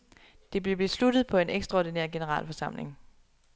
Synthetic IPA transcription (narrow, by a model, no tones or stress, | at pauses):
d̥e̝b̥le̝b̥le̝slud̥ð̩ˠpʰɒ̽e̝neɡ̥sd̥ʁɑɒdinḛɐ̰ɡ̥e̝nəʁɑ̰̈ːlfɒ̽sɑ̈m̰le̝ŋ